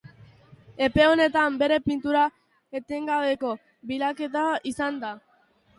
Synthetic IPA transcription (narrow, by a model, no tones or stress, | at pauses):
e̞pe̞o̞ne̞t̪ambe̞ɾe̞pint̪uɾa | et̪eŋɡaβe̞ko̞ | bilake̞t̪aisand̪a